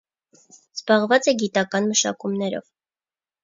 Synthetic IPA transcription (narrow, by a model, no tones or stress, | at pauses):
z̥bɑʁvɑt͡sɛɡit̪ɑkɑnməʃɑ̰kumnɛɾɔ̰v